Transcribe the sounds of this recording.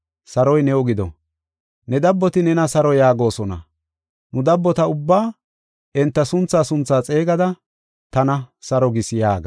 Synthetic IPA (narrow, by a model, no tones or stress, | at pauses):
sɐɾɔjnɛɔɡɪd̪ɔ̰ | nɛd̪ɐbːɔt̪ɪnɛnɐsɐɾɔjaːɡo̞ːsɔnɐ̰ | nʊd̪ɐbːɔt̪ɐʊbːaː | ɛnt̪ːɐsʊnt͡sːaːsʊnt͡sːaːt͡sʼe̞ːɡɐd̪ɐ | t̪ɐnɐsɐɾɔɡɪsjaːɡɐ